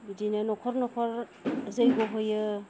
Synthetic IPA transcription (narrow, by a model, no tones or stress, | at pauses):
idinanɔkʰɔɾnɔkʰɔɾ | zajɡoɦojɯ